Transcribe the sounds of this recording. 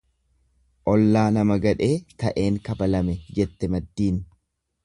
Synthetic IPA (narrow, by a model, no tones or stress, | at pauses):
ʔɔlːaːnɐmɐɡɐᶑe̞ːt̪ɐʔe̞ːŋkɐbɐlɐmɛd͡ʒɛt̪ːɛmɐd̪ːiːn